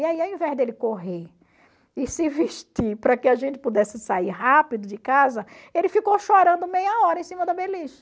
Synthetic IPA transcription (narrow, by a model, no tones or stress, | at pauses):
iaiawĩvɛzd̪elɪkoɦe | ɪsɪviʃt̪iɾpɾɐkɪaʒẽnt̪ɪ̥pud̪ɛsɪsaiɾɦapid̪ʊd͡ʒɪkazɐelɪfikowʃoɾɐ̃nd̪ʊmejɐɔɾɐẽsĩmɐd̪ɐbeliʃɐ